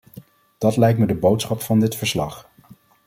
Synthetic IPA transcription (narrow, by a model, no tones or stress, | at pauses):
d̥ɑtlɛjk̚tmədəbowtsχɑpfɑndɪtfəɹslɑχ